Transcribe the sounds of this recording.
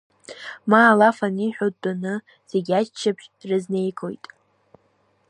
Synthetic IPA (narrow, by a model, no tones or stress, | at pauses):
maːlafaniħᶣod̚anɨ | z̥eɡʲat͡ʃt͡ʃʰːapʰʃrɨzne̞jkʰo̞̰jtʼ